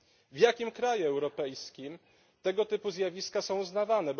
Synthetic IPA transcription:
vjakʲimkɾajuɛwɾɔpɛjskʲim | t̪ɛɡɔt̪ɘpuzjavʲiskasɔ̃w̃uznavanɛb

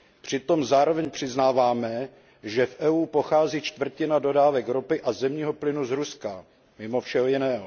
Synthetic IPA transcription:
pr̝̥ɪt̪o̞mzaːɾo̞vɛɲpr̥ɪznaːvaːmɛ | ʒɛfʔɛuːpo̞xaːziːt͡ʃt̪vr̩cɪnado̞daːvɛkɾopɪʔazɛmɲiːɦo̞plɪnuzɾuska | mɪmo̞fʃɛɦojɪnɛːɦo

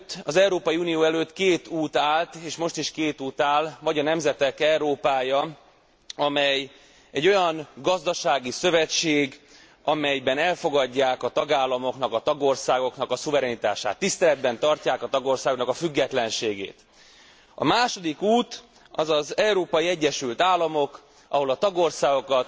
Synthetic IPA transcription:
t̪ːɒzɛwɾoːpɒjiuːnijoːɛløːt̪keːt̪uːt̪aːlt̪eːʃmo̞ʃt̪iʃkeːt̪uːt̪aːlvɒɟɒnɛmzɛt̪ɛkɛuɾoːpaːjɒ | ɒmɛj | ɛɟːo̞jɒŋɡɒzd̪ɒʃaːɡisø̞vɛt͡ʃːeːɡ | ɒmɛjbɛnɛlfo̞ɡɒɟːaːkɒt̪ɒɡaːlːɒmo̞knɒkɒt̪ɒɡo̞rsaːɡo̞knɒkɒsuvɛɾɛnit̪a̰ːʃa̰ːt̪ːist̪ɛlɛd̪bɛnt̪ɒrcaːkɒt̪ɒɡo̞rsaːɡoknɒkɒfyɡːɛt̪lɛnʃeːɡḛːt̪ | ɒ̰maːʃo̞d̪ikuːt̪ | ɒzɒzɛwɾoːpɒjiɛɟːɛʃylt̪aːlːɒmo̞k | ʔɒɦo̞lɒt̪ɒɡo̞rsaːɡo̞kɒt̪

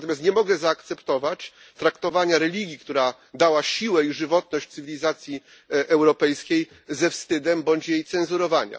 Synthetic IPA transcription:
t̪ɔmjast̪ɲɛmɔɡɛzaːkt̪sɛpt̪ɔvat͡ɕ | t̪ɾakt̪ɔvaɲaɾɛlʲiɡʲjikt̪uɾa | d̪awaɕiwɛiʐɘvɔt̪̚nɔɕt͡ɕt̪sɘvʲilʲizat̪sʲji | ʔɛwɾɔpɛjskʲej | zɛfst̪ɘd̪ɛmbɔɲt͡ɕjejt̪sɛnzuɾɔvaɲa̰

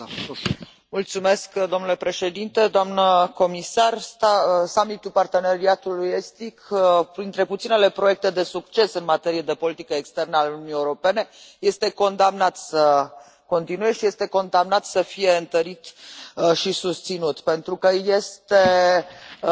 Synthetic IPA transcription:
mult̪sume̞skd̪o̞mnule̞pɾe̞ʃe̞d̪int̪e̞d̪oamnəko̞misarst̪asamit̪ulpart̪e̞neɾiat̪uluje̞st̪ikpɾint̪ɾeput̪sinele̞pɾo̞je̞k̚t̪e̞d̪e̞sukt͡ʃe̞sɨnmat̪e̞ɾije̞d̪e̞po̞lit̪ikəekst̪e̞rnəalununieuɾo̞pe̞ne̞je̞st̪e̞ko̞nd̪amnat̪sə | ko̞nt̪inuje̞ʃije̞st̪e̞ko̞nd̪amnat̪səfije̞ɨnt̪əɾit̪ʃisust̪sinut̪pe̞nt̪ɾukəje̞st̪e̞

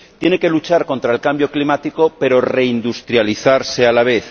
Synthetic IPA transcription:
t̪je̞ne̞ke̞lut͡ʃaɾko̞nt̪ɾaelkambjo̞klimat̪iko̞pe̞ɾo̞re̞ind̪ust̪ɾjaliθaɾse̞alaβ̞e̞θ

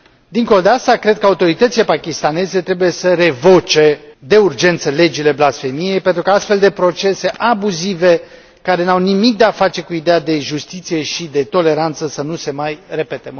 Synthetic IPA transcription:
d̪iŋko̞lod̪east̪akɾe̞d̪̚kəaut̪o̞ɾit̪ət̪sile̞pakʲist̪ane̞ze̞t̪ɾe̞buje̞səɾe̞vo̞t͡ʃe̞d̪e̞urd͡ʒe̞nt̪səle̞d͡ʒile̞blasfe̞mije̞jpe̞nt̪ɾukaast̪fe̞ld̪e̞pɾo̞t͡ʃe̞se̞ʔabuzive̞ | kaɾe̞nawnimik̚d̪e̞afat͡ʃe̞kuid̪ead̪e̞ʒust̪it̪sije̞ʃid̪e̞t̪o̞le̞ɾant̪səsənuse̞majre̞pet̪e

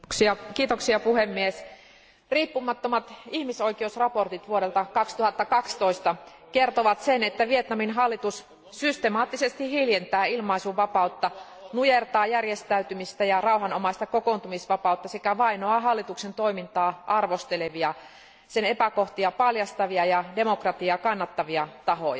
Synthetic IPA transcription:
iɑkiːt̪oksiɑpuhemːies | riːpːumɑt̪ːomɑt̪ihmisoikeusrɑpo̞rt̪it̪ʋuoɾelt̪ɑkɑkst̪uhɑt̪ːɑkɑkst̪oist̪ɑ | kert̪oʋɑt̪senet̪ːæʋiet̪nɑminɦɑlːit̪us | syst̪emɑːt̪ːisest̪ihiljent̪æːilmɑisuʋɑpɑut̪ːɑ | nujert̪ɑːjærjest̪æyt̪ymist̪æjɑrɑuɦɑnomɑist̪ɑkokont̪umisʋɑpɑut̪ːɑsekæʋɑinoɑɦɑlːit̪uksent̪oimint̪ɑːʔɑrʋost̪eleʋiɑ | senepækoht̪iɑpɑljɑst̪ɑʋiɑjɑdemokrɑt̪iɑkɑnːɑt̪ːɑʋiɑt̪ɑɦo̰jɑ

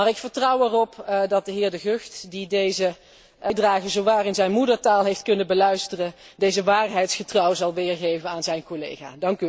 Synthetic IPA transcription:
maːɹɪkfəɹtrɔwɛrɔpdɑt̚dəɦɪːɹdəɣøxtdidejzə | draːɣəzowʋaːrɪnzɛjnmudəɹtaːlˠɦejftkɵnənbəlœɥstərə | dejzəʋaːɹɦɛjtsχətrɑwəzɑlˠʋɪːɹɣejvənaːnzɛjnkolḛjχa̰ːdɑŋky

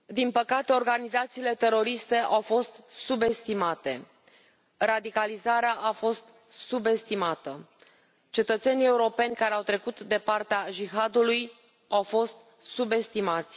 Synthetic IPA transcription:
d̪inpəkat̪e̞o̞rɡanizat̪siːle̞t̪e̞ɾo̞ɾist̪e̞ʔawfo̞st̪sube̞st̪imat̪e̞ | rad̪ikalizaɾeaʔafo̞st̪ | sube̞st̪imat̪ə | t͡ʃe̞t̪ət̪se̞nie̞uɾo̞pe̞nʲkaɾeawt̪ɾe̞kut̪d̪e̞part̪eaʒiɦad̪uluj | awfo̞st̪ | sube̞st̪imat̪sʲ

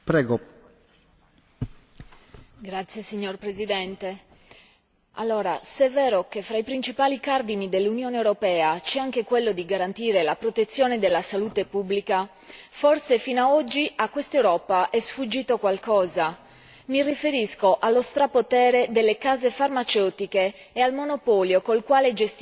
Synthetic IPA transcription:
pɾɛːɡo | ɡɾat̪sjesiɲːorpɾezid̪ɛnt̪e | a̰lːoːɾa̰sɛvːɛːɾokefɾaipɾint͡ʃipaːlikard̪inid̪elːunjɔːnewɾopɛːat͡ʃɛaŋk̟ekwelːod̪iɡaɾant̪iːɾelapɾot̪et̪sːjɔːned̪elːasaluːt̪epubːlika | forsefinoaɔd͡ʒːiakːwest̪ewɾɔːpaʔɛsfud͡ʒːiːt̪okwalkɔːza | mirifeɾiskoʔalːost̪ɾapot̪ɛːɾed̪elːekaːzefarmat͡ʃewt̪ikeː | almonopɔːljokolkwaːled͡ʒest̪

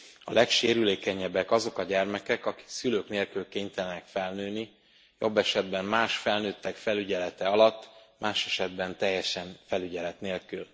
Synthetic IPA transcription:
ɒ̰lʔɛkʃeːɾyleːkɛɲɛbɛkɒzo̞kɒɟɛrmɛkɛkɒki̥ksyløːkneːlkylkeːɲt̪ɛlnɛkfɛlnøːni | jo̞̰bːɛʃɛd̪bɛmmaːʃfɛlnøːt̪ːɛkfɛlyɟɛlɛt̪ɛɒlɒt̪ːmʔaːʃɛʃɛd̪bɛnt̪ɛjːɛʃɛnfɛlyɟɛlɛt̪neːlkyl

